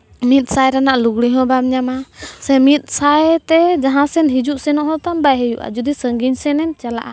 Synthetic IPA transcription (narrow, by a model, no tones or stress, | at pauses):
mit̪̚sajɾanaʔluɡɽiɦɔ̃bamɲamasɛmit̪̚ˀsajt̪ɛd͡ʒaɦãsɛnɦid͡ʒuʔsɛnɔʔɦɔ̃t̪ambajɦɛjuʔa̰d͡ʒud̪isəŋɡiɲsɛnɛɲt͡ʃala̰ʔa